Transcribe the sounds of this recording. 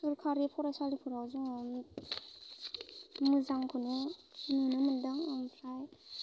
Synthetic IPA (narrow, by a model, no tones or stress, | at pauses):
ɯɾkʰaɾipʰɔɾasalipʰuɾawzuŋ | mɯzaŋkʰɯnɯnɯnɯmɯndɯŋmpʰɾaj